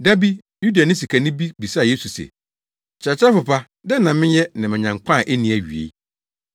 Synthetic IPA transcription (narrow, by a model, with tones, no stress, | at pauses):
da˦bi˦ | ju˦da˨nɪ̃˦s̬i˨kʰa˨nɪ̃˦bi˦bi˨sa˦˨je˦su˨sɛ̰˨ | t͡ɕʰɾɛ˨t͡ɕʰa˦fʊ˨pʰa˦ | dɛ˦nã˨mɪ̃˦jɛ˦nã˨mɪ̃˨ɲã˨ŋkʷʰã˦˨ʔe˦nĩ˨˦æ˨ɥi˨ḛ˨˦